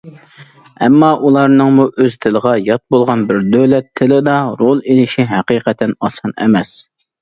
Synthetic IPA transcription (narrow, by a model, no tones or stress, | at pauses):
ɛmːɑʔulˠɑɾnɨŋmuʔøz̥t̪ʰɪləʁɑjɑt̪̚bolˠʁɑnbɪɾd̪øwlɛt̪ʰːɪlɪd̪ɑɾolˠelɪʃiɦæqiːqɛt̪ʰɛnɑsɑnɛ̰mɛs